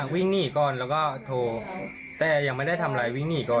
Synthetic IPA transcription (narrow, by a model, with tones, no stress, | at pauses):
wi˥˩ŋniː˥˩kɔː˨˩nlɛː˦˥wkɔː˥˩t̪ʰoː˧ | t̪ɛː˨˩ja˧ŋma˥˩jda˥˩jt̪ʰa˧mɾaː˧jwi˥˩ŋniː˥˩kɔː˧˩